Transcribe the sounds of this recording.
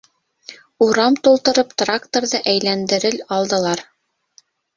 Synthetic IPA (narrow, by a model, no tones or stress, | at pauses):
uɾɑmt̪ulˠt̪ɤ̆ɾɤpt̪rakt̪oɾðɤʔæjlænd̪ɘ̆ɾɘlɑlˠd̪ɤ̆lˠɑɾ